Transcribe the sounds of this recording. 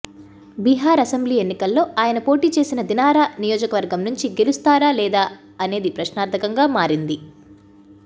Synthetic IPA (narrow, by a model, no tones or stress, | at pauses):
biɦaːɾɐsembliːe̞nːikɐlːo̞ːʔaːjɐnɐpo̞ːʈiːt͡ʃe̞ːsinɐd̪inaːɾaːnijoːd͡ʒɐkɐʋɐɾɡɐmnuɲt͡ʃiɡe̞lust̪aːɾaːlɛːd̪aː | ɐne̞ːd̪ipɾɐʃnaːɾt̪ɐkɐŋɡaːmaːɾind̪i